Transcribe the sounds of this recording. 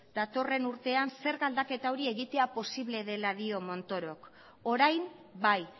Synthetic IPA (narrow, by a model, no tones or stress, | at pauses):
d̪̥at̪o̞re̞nuɾt̪e̞anse̞ɾɣald̪ake̞t̪aoɾie̞ɣit̪e̞apo̞siβle̞ðe̞laðio̞mo̞nt̪o̞ɾo̞k | o̞ɾajm | baj